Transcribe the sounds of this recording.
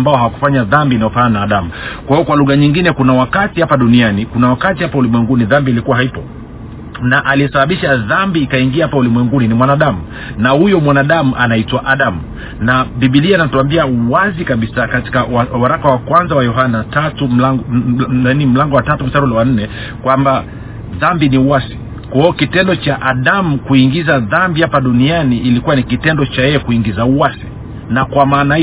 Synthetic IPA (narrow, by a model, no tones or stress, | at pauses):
mbaɔhawaku̥faɲaðambiːnajɔfannaːɗamukwahiɔkwaluɣaɲiŋɡinɛkunawakatihapaɗunianikunawakatihapaulimwɛŋɡuniðambilikuwaɦaipɔ | naʔaliɛsaɓaɓiʃaðambiːkaiŋɡiahapaulimwɛŋɡuninimwanaɗamu | nahujɔmwanaɗamuʔanaitwaʔaɗamu | naɓiɓilianatuambiauwazikaɓisakati̥kawawaɾakawakwanzawajɔɦanatatum̩la | nim̩laŋɡɔwatatum̩taɾulɛwan̩nɛ | kwamba | ðambiniuwasi̥ | kɔɔkitɛndɔt͡ʃaʔaɗamukuiŋɡizaðambihapaɗunianiːlikuwanikitɛndɔt͡ʃajɛjɛkuiŋɡizauwasi̥ | nakwamaːna